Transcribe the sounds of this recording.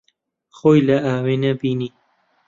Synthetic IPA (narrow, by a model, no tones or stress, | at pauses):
xoːjlɐaːwenɐbiːniː